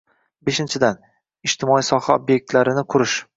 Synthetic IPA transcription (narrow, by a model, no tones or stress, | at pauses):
beʃɪnt͡ʃʰɪd̪an | ɪd͡ʒt̪ʰɪmɒisɒhaobje̞k̚ʲt̪laɾɪnɪqʰʊɾɪʃ